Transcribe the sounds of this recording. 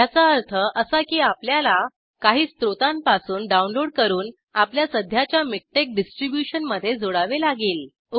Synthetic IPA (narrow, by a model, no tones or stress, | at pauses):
jat͡saəɾt̪ʰəʔəsakiːapljala | kaɦiːst̪ɾot̪ãmpasuːnɖaunloɽkəɾuːn | apljasəd̪ʱjat͡ɕjamik̚ʈek̚ɖisʈɾibjuɕənməd̪ʱːjed͡zoɽaʋelaɡeːl | u